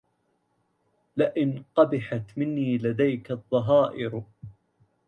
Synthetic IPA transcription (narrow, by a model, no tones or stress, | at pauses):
lɪʔɪnqɑbɪħat̪mɪnːiːlad̪ajkaðˤːɑɦɑːʔɪɾ